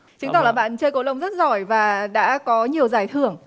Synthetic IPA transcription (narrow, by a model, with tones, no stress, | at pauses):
t͡ɕɨ˨˦ŋt̪ɔ˧˩laː˨˩ɓa̰ː˧˨nt͡ɕəː˧jko˨˦lə˧wŋ͡mzə˦˥t̚zɔ˧˩jvaː˨˩ɗa̰ː˧˥kɔ˨˦ɲi˨˩əwzaː˨˩jt̪ʰɨ˧˩əŋ